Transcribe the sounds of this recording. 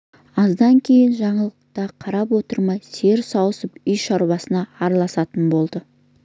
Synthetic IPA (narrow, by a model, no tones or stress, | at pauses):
ɑzd̪ɑŋkʲʰe̞jɪnʒɑɴəlˠəqt̪ɑqʰɑɾɑpwo̞t̪əɾmɑjse̞ɾsɑwəsəpʏjʃɑɾwɑsənɑːɾɑlˠɑsɑt̪ənbo̞lˠd̪ə